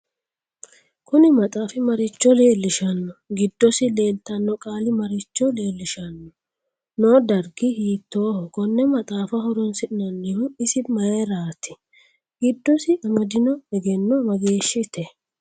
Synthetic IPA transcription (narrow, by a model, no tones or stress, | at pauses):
kʊnɪmɐt̪ʼaːfɪmɐɾɪt͡ʃːɔleːlːɪʃɐnːɔɡɪd̪ːɔsɪle̞ːlt̪ɐnːɔkʼaːlɪmɐɾɪt͡ʃːɔle̞ːlːɪʃɐnːɔ | noːd̪ɐɾɡɪhiːt̪ːoːhɔɡɔnːɛmɐt̪ʼaːfɐhɔɾɔnsɪʔɪnɐnːɪɾʊɪsɪmɐjɛɾaːt̪ɪ̥ | ɡ̥ɪd̪ːɔsɪɐmɐd̪ɪnɔɛɡɛnːɔmɐɡe̞ːʃːɪt̪ɛ